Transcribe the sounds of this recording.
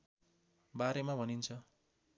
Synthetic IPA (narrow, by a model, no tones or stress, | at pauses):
baɾemabʱʌnint͡sʰʌ